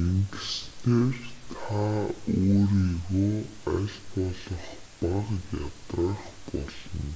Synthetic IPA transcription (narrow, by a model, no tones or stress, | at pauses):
eŋɡɘ̆st̪ʰeːrt̪ʰaoːɾiːɣoːaɮpɔɮə̆χ | paqjat̪əχpɔɮɞ̆n